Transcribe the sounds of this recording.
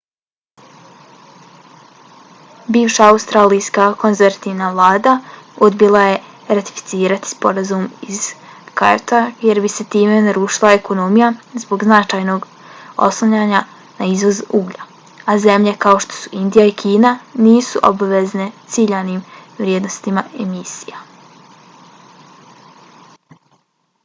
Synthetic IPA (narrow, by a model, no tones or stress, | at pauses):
biːʋʃaaust̪ɾaːlijskako̞nzeɾat̪iʋnaʋlˠaːd̪aod̪bilˠaje̞ | ɾat̪i̥fi̥t̪siːɾat̪i̥spo̞ɾazumiz̥kajot̪ʰaje̞ɾbise̞t̪iːme̞naɾuːʃilˠae̞ko̞no̞mijazbo̞ɡznat͡ʃaːjno̞ɡ | o̞̰slˠoɲaːɲa | naizʋo̞zuːɡʎa | aze̞mʎe̞kao̞ʃt̪o̥su̥ʔind̪ijaikʰiːnaniːsuʔo̰baʋe̞zne̞t̪siʎaniːmʋɾʲjed̪no̞st̪imae̞misija